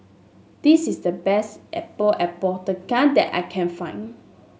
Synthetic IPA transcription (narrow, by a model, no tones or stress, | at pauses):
d̥isisdəbɛstʔɛ̰pəlʔɛpɔtəkãdɛ̰ta̰jkʰɛ̃nfãɪ̃n